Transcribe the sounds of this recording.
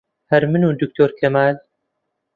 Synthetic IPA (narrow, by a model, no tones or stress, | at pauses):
hɐɾmɨnuːd̪ɨk̚t̪ʰoːɾkʰɐmaːl